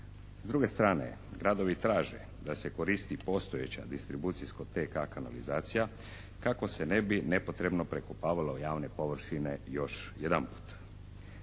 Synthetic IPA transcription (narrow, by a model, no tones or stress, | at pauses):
zd̪ɾuɡe̞st̪ɾaːne̞̰ɡɾad̪o̞ʋit̪ɾaːʒḛ | d̪ase̞ko̞ɾist̪ipo̞st̪ojet͡ɕa̰d̪ist̪ɾibut̪siskot̪ekakana̰lizaːt̪sija | kako̞se̞ne̞binepo̞t̪ɾe̞bno̞pɾe̞kopaːʋalojaːʋne̞po̞ʋr̩ʃine̞jo̞ʃjed̪anpu̥ːt̪